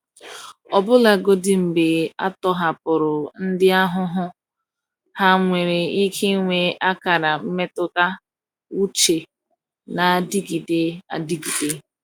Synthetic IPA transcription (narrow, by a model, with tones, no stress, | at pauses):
ɔ˨bʊ˦la˨ɡo˦dɪ˦m̩˨be˨a̰˦tɔ˦ɦa˨pʊ˨ɾʊ˨n̩˦dɪ˦a˦ɦʊ˦ɦʊ˦ | ha˦ŋʷe˨ɾe˨i˦kʰe˦ŋʷe˦ʔa˦ka˨ɾa˨m̩˦me˦tʊ˦ka˦ | u˦t͡ʃe˨ | na˨di˦ɡi˨de˦a̰˨di˦ɡi˨de˦